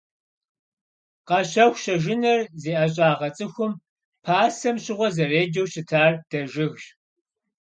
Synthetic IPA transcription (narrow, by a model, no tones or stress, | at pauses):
qɐɕɐwɕɐʒɪnɐrzeːʔɐɕ̬ʼaːʁɐt͡sʼɨxʷʊm | pʰaːsɐmɕʼɪʁʷɔzɐreːd͡ʒɐwɕɪtʰaːrd̥ɐʒɪɣɕ